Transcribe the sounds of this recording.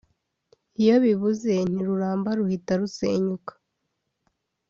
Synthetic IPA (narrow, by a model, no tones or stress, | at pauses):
ijo̞βiβuze̞n̥iɾuɾaːmbaɾuhitaɾusḛːɲukḁ